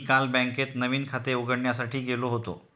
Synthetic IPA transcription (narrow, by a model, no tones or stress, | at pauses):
kãlbɛ̃ŋket̪nəʋiːnkʰat̪euɡəɽɳjasaʈiːɡeloɦot̪o̰